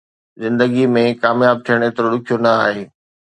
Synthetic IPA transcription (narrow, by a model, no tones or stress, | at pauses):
zɪ̃nd̪əɡimẽkaːmjaːb̚t̪ʰijəɽ̃et̪ɐɾoɗʊkʰijonɐaːɦeː